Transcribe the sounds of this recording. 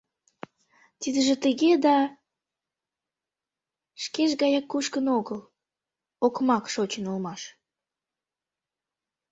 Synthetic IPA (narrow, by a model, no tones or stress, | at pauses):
t̪id̪əʒĕt̪əɣed̪ɑ | ʃkeʃɣɑjɑkːuʃkənoɣəl | okmɑkʃot͡ɕənulmɑʃ